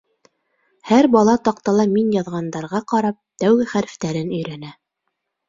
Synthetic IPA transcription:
hæɾbɑlˠɑt̪ɑqt̪ɑlˠɑminjɑðʁɑnd̪ɑɾʁɑqɑɾɑp̚t̪æwɡɘχæɾ̆ft̪æɾɘnɵ̆jɾænæ

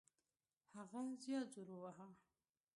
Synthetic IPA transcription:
haɣazjɑd͡zuɾowaɦa

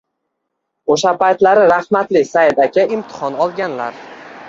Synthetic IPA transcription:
oʃapajt̪laɾɪɾahmat̪lɪsajd̪akʲʰaɪmt̪ʰɪ̥hɒnɒlˠɡʲanlaɾ

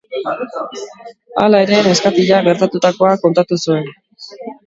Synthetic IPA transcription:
a̰lae̞ɾe̞ːne̞skat̪iʎaɣe̞ɾt̪at̪ut̪ako̞ako̞nt̪at̪usue̞n

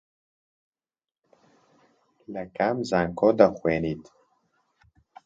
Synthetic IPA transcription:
lɛkamzaŋkʰoːd̪ɐxweːniːt̪

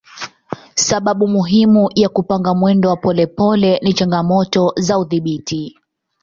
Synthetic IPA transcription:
saɓaɓumuɦimujakupaŋɡamwɛndɔwapɔlɛpɔlɛnit͡ʃaŋɡamɔtɔzauðiɓitʰi

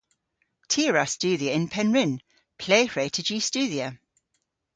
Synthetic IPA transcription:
tʰiəɹast͡ʃʉːðiəɪ̃npʰɛnɹɪ̃n | pʰl̥eɪfɹeɪtʰəd͡ʒiːst͡ʃʉːðiə

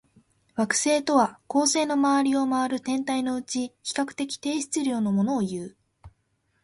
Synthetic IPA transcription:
βakɯ̟̥se̞ːt̪o̞βako̞ːse̞ːno̞maβaɾʲio̞maaɾɯ̟t̪ẽ̞nt̪aino̞ɯ̟t͡ɕiçi̥kakɯ̟̥t̪e̞kʲi̥t̪e̞ːɕi̥t͡sɨɾʲo̞ːno̞mo̞no̞ːjɯ̟ː

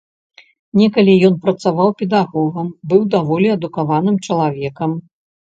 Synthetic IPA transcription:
nʲɛkɐlʲijɔnpɾɐt̪savawpʲɛd̪aɣɔɣɐmbɨwd̪avɔlʲiɐd̪ukavanɨmt͡ʂɐlˠavʲɛkɐm

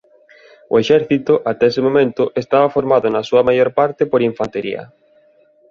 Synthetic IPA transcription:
ʊ̰eʃɛɾθit̪ʊʔat̪ɛesemomẽnt̪ʊʔest̪aβɐfoɾmaðʊnasuɐmajoɾpaɾt̪epoɾiɱfant̪eɾḭɐ̰

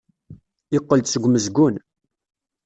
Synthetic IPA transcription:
ɪqːəlt̪səɡʷməzɡun

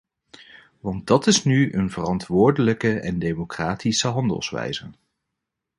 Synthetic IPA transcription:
ʋɑnt̚dɑtɪsnyənvərɑntʋʊːɹdələkəɛndejmokraːtisəɦɑndə̰lˠsʋɛ̰jzə

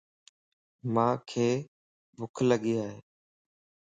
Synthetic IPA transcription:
mãːkʰeː | bʱʊkʰləɠiːaːɦeː

